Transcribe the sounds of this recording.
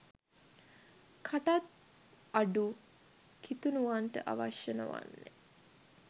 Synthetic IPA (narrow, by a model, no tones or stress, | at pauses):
kʰaʈat̪̚ | aɖu | kʰit̪unuʋanʈə̰ʔa̰ʋaʃjənə̰ʋa̰nːe